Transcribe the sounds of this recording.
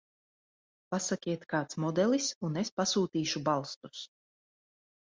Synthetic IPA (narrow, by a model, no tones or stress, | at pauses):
pasakʲiɛt̪kaːt̪smɔd̪ɛlˠisunespasuːt̪iːʃubalˠst̪u̥s